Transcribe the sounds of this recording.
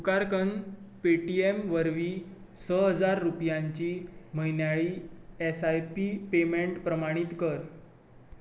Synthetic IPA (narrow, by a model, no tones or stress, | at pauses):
sukaɾkən | peʈiemʋəɾʋiː | səɦəd͡zaɾːupjaɲt͡ɕiːməɦjnjaɭiːesajpipemeɳʈpɾəmaɽ̃it̪kəɾ